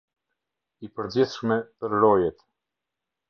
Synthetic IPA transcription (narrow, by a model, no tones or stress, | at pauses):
ipəɾd͡ʑiθʃmɛpəɾɾɔjɛt̪